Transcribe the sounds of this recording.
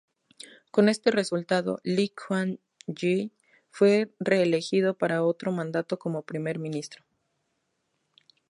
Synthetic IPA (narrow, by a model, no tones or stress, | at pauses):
ko̞ne̞st̪e̞re̞sult̪aðo̞̰likxwan | d͡ʒi | fwe̞re̞ːle̞xið̞o̞paɾao̞t̪ɾo̞mãnd̪at̪o̞ko̞mo̞pɾime̞ɾmĩnist̪ɾo